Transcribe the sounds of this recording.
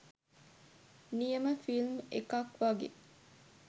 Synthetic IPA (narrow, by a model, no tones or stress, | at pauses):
nijəməfilmḛkakʋaɡḛ